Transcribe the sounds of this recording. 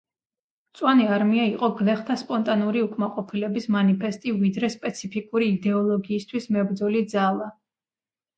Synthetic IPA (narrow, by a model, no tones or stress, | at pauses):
t̪sʼwaniaɾmiaiqʼɔɡlɛχt̪ʰaspʼɔnt̪ʼanuɾiukʼmaqʼɔpʰilɛbismanipʰɛst̪ʼivid̪ɾɛspʼɛt̪sʰipʰikʼuɾiːd̪ɛɔlˠɔɡiːst̪ʰwismɛbɾd̪zɔlid̪zalˠa